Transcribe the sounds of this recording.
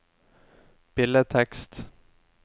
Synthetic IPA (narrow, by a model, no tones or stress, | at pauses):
b̥ɪlət̪ʰɛkst̪